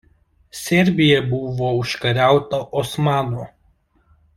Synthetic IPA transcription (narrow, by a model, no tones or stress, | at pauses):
sʲɛɾʲbʲɪjɛbʊʋoːʊʃkɐɾʲæˑʊt̪ɐʔɔsmɑːnoː